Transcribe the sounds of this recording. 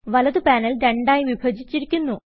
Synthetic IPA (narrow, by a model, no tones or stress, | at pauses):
ʋɐlɐðɨpaːnɐlɾeɳɖaːjiʋibʱɐd͡ʑit͡ɕːiɾikʲːunːu